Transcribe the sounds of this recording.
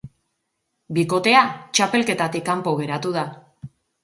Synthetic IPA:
biko̞t̪e̞at͡ʃape̞lke̞t̪at̪ikːampo̞ɣe̞ɾat̪uð̞a

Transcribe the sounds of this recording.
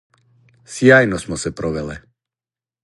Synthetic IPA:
sjajnɔsmɔsɛpɾɔʋɛlɛ

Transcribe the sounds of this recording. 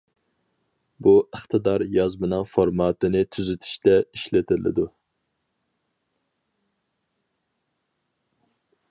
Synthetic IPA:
buəχt̪ʰɨd̪ɑɾjɑzmɨnɨŋfoɾmɑːt̪ɨnɪt̪ʰyzyt̪ʰy̥ʃt̪ɛiʃlɪt̪ʰɪlɪ̰d̪u

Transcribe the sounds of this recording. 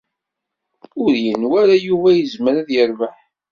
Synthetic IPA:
ʊɾjənwæɾajuvæjəzməɾæðjəɾvəħ

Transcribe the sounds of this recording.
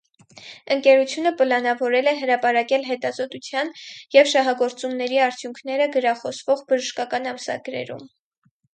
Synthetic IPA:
əŋkɛɾut͡sʰjunəpəlɑnɑvɔɾɛlɛɦəɾɑpɑɾɑkɛlɦɛt̪ɑzɔt̪ut͡sʰjɑnjɛvʃɑɦɑɡɔɾt͡sumnɛɾiɑɾt͡sʰjuŋkʰnɛɾəɡəɾɑχɔsvɔʁbəʒəʃkɑkɑnɑmsɑ̰ɡɾɛ̰ɾṵm

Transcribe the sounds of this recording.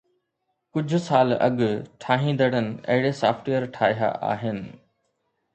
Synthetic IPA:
kʊd͡ʑʱʊ̆saːlɐ̰ɠʈʰaːɦĩːnd̪əɽənɪ̆ɐ̰ɦɪɽesaːfʈijəɾʈʰaːɦja̰ʔa̰ːɦɪnɪ̆

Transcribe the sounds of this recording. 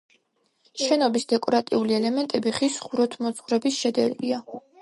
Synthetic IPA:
ʃɛnɔbisd̪ɛkʼɔɾat̪ʼiuliɛlɛmɛnt̪ʼɛbiχisχuɾɔt̪ʰmɔt̪sʼχvɾɛbisʃɛd̪ɛɾɡia

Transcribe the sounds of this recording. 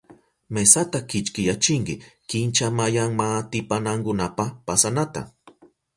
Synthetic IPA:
mesat̪akɪt͡ʃkɪjat͡ʃɪŋkɪkɪnt͡ʃamajaŋmat̪ɪpanaŋkʊnapapasanat̪a̰

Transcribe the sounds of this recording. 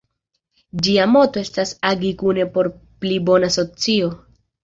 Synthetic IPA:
d͡ʒiamo̞to̞e̞stasaɡikune̞po̞ɾplibo̞naso̞t͡sio̞

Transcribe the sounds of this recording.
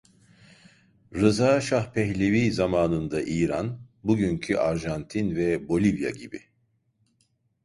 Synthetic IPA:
ɾɯzaːʃahpʰɛçlʲeviːzamaːnɯnd̪aʔiːɾanbuɟyɲcʰyʔaɾʒant̪ʰinvɛbo̞lʲivja̰ɟibi

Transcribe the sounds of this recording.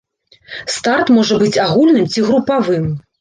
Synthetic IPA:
st̪art̪mɔʐɐbɨt͡sʲaɣulʲnɨmt͡sʲiɣɾupavɨm

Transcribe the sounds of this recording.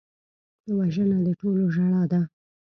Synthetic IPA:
dəwaʒənad̪əʈoloʒaɽɑd̪a

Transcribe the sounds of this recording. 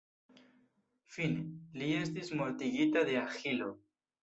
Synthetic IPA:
fineliest̪izmoɾt̪iɣit̪aðeaxilo

